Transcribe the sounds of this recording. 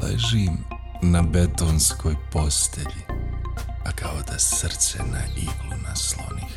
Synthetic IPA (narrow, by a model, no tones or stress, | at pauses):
lḛʒim | nabet̪oːnsko̞ːjpost̪ʰeʎi | akaod̪asr̩t̪senaiɡlunaslo̰nix